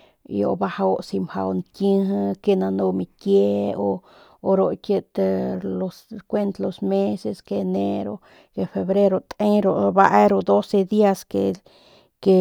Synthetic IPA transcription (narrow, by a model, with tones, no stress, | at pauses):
ḭo̰˨ba˧ha˧o˦˧ʔsi˧mha̰˧wnt̪jɨ˦ɦɨ˧ke˧na˧no˧mi˧tje˦oː˧ | ɾo˧˨kjə˧t̪lo˧skʷe˦nt̪lo˧sme˦se˧ske˧ne˦ɾo˧ | ke˧fe˧βɾe˦ɾo˧t̪ʼe˦ɾo˨ba˧ʔe˦ɾo˧d̪o˦se˧d̪i˦a˧ske | ke˧